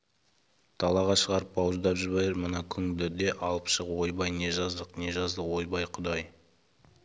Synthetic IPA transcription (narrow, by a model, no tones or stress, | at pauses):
t̪ʰɑlˠɑʁɑʃəʁɑɾəp̚bɑwzd̪ɑpʒɪbɑjəɾmənɑkʲʰʏŋd̪ɪd̪e̞ʔɑlˠəpʃəqwo̞jbɑjne̞ʒɑzd̪əqne̞ʒɑzd̪əwo̞jbɑjqʰʊd̪ɑj